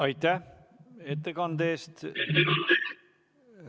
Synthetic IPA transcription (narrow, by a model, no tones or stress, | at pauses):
ɑjt̪ːæh | et̪ːekɑnd̪eːst̪